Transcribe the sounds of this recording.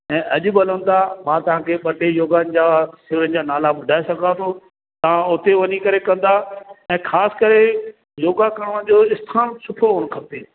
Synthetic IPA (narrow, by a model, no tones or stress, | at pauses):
ɛ̃ːʔɐʄʊ̆bɐlə̃n̆d̪amãt̪ɐʋ̤ãːkʰeːɓɐʈejoːɡaːnɪ̆d͡ʑaːsɪʋɾənɪ̆d͡ʑaːnaːlaɓʊɖʱaːesɐɡʱãt̪ʰo | t̪ɐʋ̤ãʊt̪eʋɐɲikɐɾekɐ̃n̆d̪aɛ̃ːxʰaːsɪ̥kɐɾe | joːɡakɐɽ̃əɽ̃d͡ʑoːɪst̪ʰaːnsʊʈʰooːɽ̃kʰɐpt̪eː